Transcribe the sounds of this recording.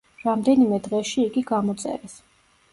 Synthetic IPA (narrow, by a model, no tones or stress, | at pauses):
ɾamd̪ɛnimɛd̪ʁɛʃiːɡiɡamɔt̪sʼɛ̰ɾɛs